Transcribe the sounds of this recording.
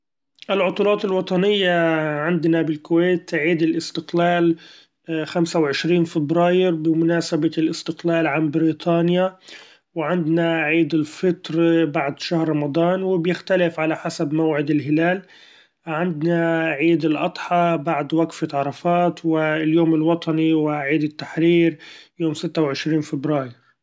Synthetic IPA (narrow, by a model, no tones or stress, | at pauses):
ʔɪlʕʊt̪ˤuːlɑːt̪ɪlwɑt̪ˤɑnɪjːaʕɪnd̪nabɪlkʊweːt̪ʕiːd̪ɪlʔɪst̪ɪqlaːl | xamsawʕɪʃɾiːnfɪbɾɑːjɪɾbɪmʊnaːsabalʔɪst̪ɪqlaːlʕambɪɾiːt̪ʰˤɑːnja | wɪʕɪnd̪naʕiːd̪ɪlfɪt̪ɾbaʕd̪ʃahɾˤɾɑmɑd̪ˤɑːnwɪbjɪxt̪alɪfʕalaħasabmawʕɪd̪ɪlɦɪlaːl | ʕɪnd̪naʕiːd̪ɪlʔɑt̪ˤħɑbaʕd̪waɡfɪt̪ʕɑɾˤɑfɑːt̪wɪljoːmɪlwɑt̪ˤɑniwɪʕiːd̪ɪt̪ːaħɾiːɾjoːmsɪt̪ːawʕɪʃɾiːnfɪbɾɑːjɪɾ